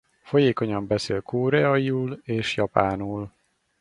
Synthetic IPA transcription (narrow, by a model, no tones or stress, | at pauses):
fo̞jeːko̞ɲɒmbɛseːlkʰoːɾɛɒiuːleːʃjɒpaːnuːl